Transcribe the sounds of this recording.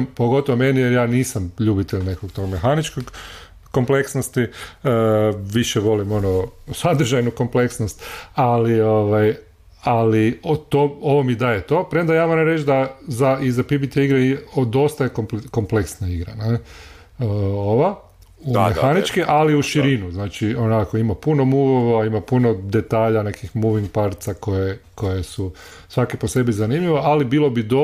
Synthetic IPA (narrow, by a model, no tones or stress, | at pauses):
mpoɡo̞t̪oʋomenijeɾjaːniːsamʎuːbit̪eʎne̞koɡt̪o̞ɡmexanit͡ʃkoɡ | ko̞mple̞ksnost̪i | ʋiʃeʋo̞limo̞nosad̪ɾ̩ʒajnuko̞mple̞ksnost̪alio̞ʋaj | alit̪ooʋomid̪ajet̪o̞pɾend̪ajaːmoɾamɾet͡ʃd̪azaizapibit̪eiɡɾeiod̪o̞st̪ajekopko̞mpleksnaiɡɾane | oʋa | umexanit͡ʃkiʔaliuʃiɾinuznaːt͡ʃionakoimapuno̞muːʋoʋaimapunod̪et̪aːʎane̞kixmuʋiŋɡpaɾt̪sako̞jeko̞jesu | sʋakepose̞bizanimʎiʋoʔalibiːlˠo̞bid̪o